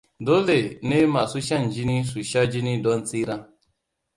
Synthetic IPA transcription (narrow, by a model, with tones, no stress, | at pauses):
do˦le˨ne˦ma˨su˦ʃa˦˨n̩˨d͡ʒi˦ni˦su˨ʃa˦d͡ʒi˦ni˦dɔ˦n̩˦t͡si˦ɾã˦